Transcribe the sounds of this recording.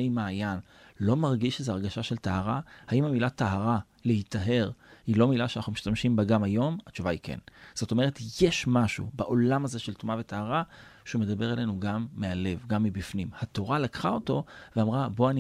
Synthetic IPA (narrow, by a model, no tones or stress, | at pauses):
ejmaːjan | lo̞maʁɡiʃezeaʁɡaʃaʃe̞ltaɦaʁahaimamilataɦaʁa | le̞hitaɦe̞ʁhilo̞milaʃeanaχnumiʃtamʃimbaɡamajo̞mat͡ʃuvaikʰḛnz̥o̞to̞me̞ʁ̞e̞tjeʃmaʃṵbaʔo̞lamaze̞ʃeltumave̞tahaʁaʃeume̞d̪abe̞ʁele̞nuɡamːeale̞vɡamːibifnimhato̞ʁalakχao̞to̞veamʁabo̞ani